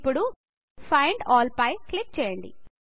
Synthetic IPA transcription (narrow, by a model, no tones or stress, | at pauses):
pːuɽu | pʰɐjɳɖɔːlpɐjklik̚t͡ʃɛːjɐɳɖḭ